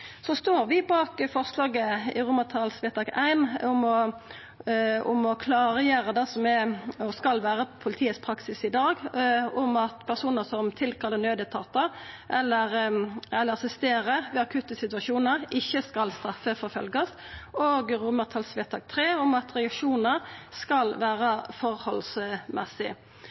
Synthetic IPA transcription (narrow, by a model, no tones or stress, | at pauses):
sɔst̪oːɾʋɪbɑːkfɔʁslɑːɡəɪ̰ʁʊmət̪ʰɑlsʋet̪ɑːɡæɪnʊmɔ | ʊ̰mɔkʰlɑːʁjæːɾəd̪ɛsɔmɛɔskɑlʋæːʁəpʰʊlɪt̪ʰiːət̪spʰɾɑksɪsɪd̪ɑːɡʊmɑt̪pʰæʁsuːnəsɔmt̪ʰɪlkʰɑlːənøːd̪ət̪ʰɑːt̪əʔɛlːəʁɛlːəɾɑsɪst̪eːɾəʋɛɑkʰʉt̪əsɪt̪ʉʋɑʃuːnəʁɪçːəskɑlst̪ɾɑfːəfɔɾfœ̰lɡəst̪oːɡʁʊməʁt̪ʰɑlsʋeːt̪ʰɑːɡ̚t̪ʰɾeːʊmɑt̪ʁɛɑkʂuːnəɾskɑlʋæːʁəfɔʁhɔlsmɛsɪ̰